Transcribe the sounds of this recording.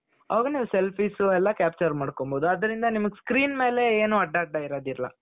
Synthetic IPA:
ɐʋɐɡɐniːʋuselpʰiːsuɛlːɐkʲaːp̚t͡ʃɐɾmaːɽkomboːd̪uɐd̪ɐɾind̪ɐnimɐɡskɾiːnme̞ːle̞eːnuːɐɖaɐɖːɐiɾaːd̪iɾɐlɐ̰

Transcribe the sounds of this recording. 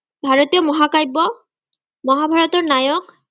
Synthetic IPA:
bʱaɹɔt̪ijɔmɔɦakajbːɔ | mɔɦabʱaɹɔtɔɹnajɔk

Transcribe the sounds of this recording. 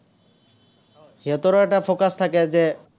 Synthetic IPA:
ɦet̪oɾɔɛʈafokast̪ʰaked͡ʒe

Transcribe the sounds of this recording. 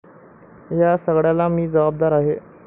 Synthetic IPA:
jasəɡɽjalamiːd͡zəʋab̚d̪aɾaɦe

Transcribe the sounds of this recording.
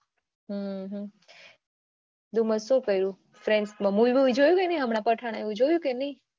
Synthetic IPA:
ɦəɦə̃ | d̪uməsokəiɾũ | fɾeɳɖsmãmulʋiʋid͡ʒojũkenəĩɦəmɽ̃ãpəʈʰaɽ̃aeʋũd͡ʒojũkenəĩ

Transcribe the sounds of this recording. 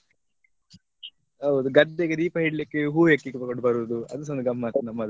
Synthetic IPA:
ɦɐud̪uɡɐd̪ːeɡed̪iːpɐɦiɽlikːeɦuːekːikbkoɖbɐɾuːd̪uɐd̪usond̪uɡɐmːat̪nɐmːɐd̪

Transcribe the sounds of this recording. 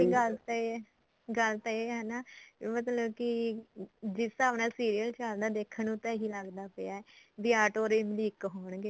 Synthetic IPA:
iɡəlt̪ː | ɡəlt̪aeːɦɛːnaːmət̪̬ləbkɪ | d͡ʒɪsaːʋnaːsiːɾijəlt͡ʃəld̪aːd̪eːkʰːənũːt̪ɛːɦiːləɡd̪aːpeaːɛːd̪ɪaːʈoːɾemliːkɦoːɳɡeː

